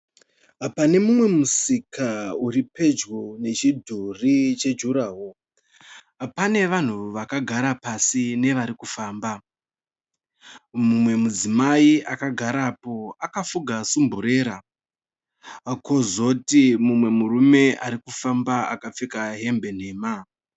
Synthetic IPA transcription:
pane̞mumwe̞musikauɾipe̞d͡ʒɡone̞t͡ʃidʱurit͡ʃe̞d͡ʒuɾaːɦo | pane̞ʋan̤uʋakaɡʱaɾapasine̞ʋaɾikufaːmba | mumwe̞mud͡zimaiʔakaɡʱaɾaːpo̞akafuɡʱasumbuɾe̞ːɾa | kʰo̞zo̞timumwe̞murume̞ʔaɾikufambaakap͡fekaɦe̞mbe̞n̤e̞ːma

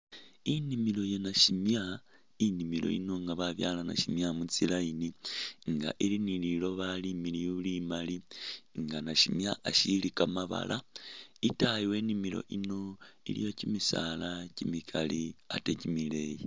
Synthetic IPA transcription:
inimilo̞jenaʃimja | inimilo̞̰ḭnoŋɡaβaβjaːlana̰ʃimjamut͡silainiŋɡa̰ʔilinililo̞βalimiliβulimaliŋɡanaʃimjaʔaʃilikamaβa̰lʔaitajiwe̞ːnimilo̞̰ʔinoḭlḭjo̞cimisa̰lacimikʰalia̰tecimileji

